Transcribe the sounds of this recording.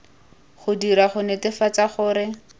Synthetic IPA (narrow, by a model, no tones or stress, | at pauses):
χʊdiɾaχʊnɛtɪfat͡saχʊːɾɪ